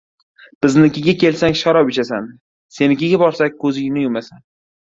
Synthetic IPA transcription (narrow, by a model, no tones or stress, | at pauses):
b̥ɪznɪkʲʰɪɡʲakʲʰe̞lsaŋʲʃɒɾɒbɪt͡ʃʰasan | se̞nɪkʲɪɡʲabɒɾsak̚ʲkʰɵzɪjɪnɪjʊmasan